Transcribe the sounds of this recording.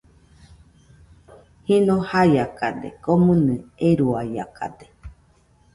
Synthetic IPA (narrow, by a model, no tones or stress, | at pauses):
hinohajakad̪ekomɨnɨeɾuaa̰kʰa̰d̪e